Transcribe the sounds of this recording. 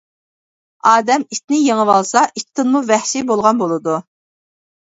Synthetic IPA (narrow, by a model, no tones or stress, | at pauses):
ɑːd̪ɛmit̪nɪjeŋəwɑlˠsɑʔit̪ʰːɪnmuvɛhʃibolˠʁɑnbolˠɨd̪u